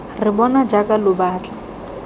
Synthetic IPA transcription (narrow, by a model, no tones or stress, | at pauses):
rɪbɔnad͡ʒakʼalʊbaːt͡ɬʼḁ